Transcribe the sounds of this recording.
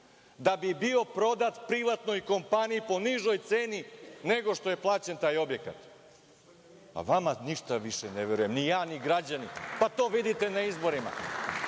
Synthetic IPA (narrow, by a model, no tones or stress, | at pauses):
d̪abibio̞pɾo̞d̪at̪pɾiʋat̪no̞jko̞mpanijipo̞niʒo̞jt̪seːnine̞ɡo̞ʂt̪o̞je̞plˠaːt͡ɕe̞nt̪aːjo̞bje̞ka̰t̪ | a̰ʋamaniʃt̪aʋiʃeneʋeɾujemnijaːniɡɾad͡ʑanipat̪o̞ːʋid̪it̪e̞naizbo̞ɾima̰